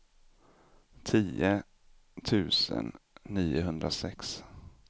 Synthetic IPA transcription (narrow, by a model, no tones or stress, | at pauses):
t̪ʰiːə | t̪ʰʉ̟ːsə̰nːiːʊɦɵnd̪ɾasɛks